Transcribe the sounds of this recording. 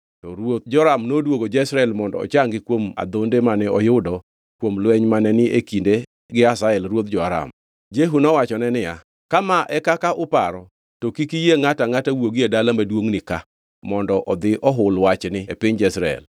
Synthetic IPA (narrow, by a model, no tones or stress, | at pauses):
tɔɾwot̪̚d͡ʒɔɾamnodwoɡod͡ʒɛisɾaɛlmɔndɔ̰ɔ̰t͡ʃaŋɡɪkwoma̰d̪ondemanɛɔjʊdɔ | kwomlwɛɲmanɛnɪʔekinde | ɡɪasaɛlɾwot̪̚d͡ʒɔaɾa̰m | d͡ʒeɦunɔwat͡ʃɔnɛnɪja̰ | kamaʔɛkakaʔʊpaɾɔ | tokikijeŋataŋatawoɡiedalamadwoŋnɪka | mɔndɔʔɔd̪ɪʔɔɦʊlwat͡ʃnɪepɪɲd͡ʒɛsɾaɛ̰l